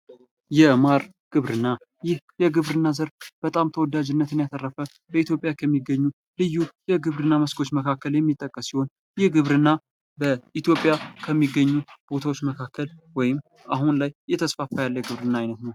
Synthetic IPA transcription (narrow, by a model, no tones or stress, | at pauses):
jɛmaɾ | ɡ̥ɨβɾɨnːa | jɪhjɛɡɨβɾɨnːazəɾfb̥ət̪ʼamt̪ʰəwɔd̪ad͡ʒɨnːət̪ɨnjat̪ʰʼərːəfə | bəit̪ʰjo̞pʼjakʰəmːiɡəɲːu | lɨjːujɛɡɨβɾɨnːaməskʰo̞t͡ʃːməkʰakːəljɛmːit̪ʼːəkʼːəsːiho̞n | jɛhɡɨβɾɨnːa | bəʔit̪jo̞pʼːjakʰəmːiɡəɲːub̥o̞t̪ʰawot͡ʃːməkʰakːəlwɔjɪm | ʔaɦunlajːɛt̪ʰəsfafajalːəjɛɡɨβɾɨnːaːjnət̪nəw